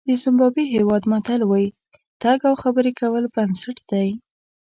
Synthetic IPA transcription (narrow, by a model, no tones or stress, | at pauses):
d̪əzɪmbɑbiɦewɑd̪mat̪alwɑji | t̪aɡawxabəɾekawəlbansaʈd̪aj